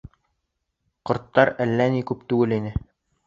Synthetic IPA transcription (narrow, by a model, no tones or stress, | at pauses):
qŏɾt̪ːɑɾælːænikʉpt̪ʉɡɘlinɘ